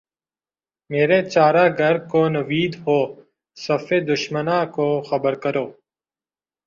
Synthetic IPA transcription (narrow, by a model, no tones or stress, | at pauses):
meːɾeːt͡ʃaːɾaːɡʱəɾkoːnɐʋiːd̪hoː | sɐfeːd̪ʊʃmənãːkoːxəbəɾkəɾoː